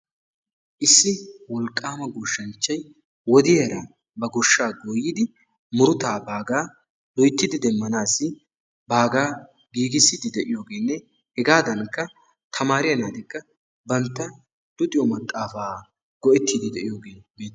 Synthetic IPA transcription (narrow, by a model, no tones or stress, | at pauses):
ʔɪsːɪwɔlkʼːaːmɐɡʊʃːɐnt͡ʃːɐj | wɔd̪ɪjɐɾɐ | bɐɡʊʃːaːɡoːjːɪd̪ɪ | mʊɾʊt̪aːbaːɡaː | d̪ɔjt̪ːɪd̪ɪd̪ɛmːɐnaːsːɪ | baːɡaː | ɡiːɡɪsːɪd̪ɪd̪ɛʔɪjo̞ːɡe̞ːnːɛ | hɛɡaːd̪ɐnkːɐ | t̪ʰɐmaːɾɪjɐnaːd̪ɪkːɐ | bɐnt̪ːɐ | d̪̥ʊt̪ʼɪjɔmɐt̪ʼːaːfaː | ɡ̥ɔʔɛt̪ːid̪ɪd̪ɛʔɪjoːɡe̞ːbe̞ːt̪ː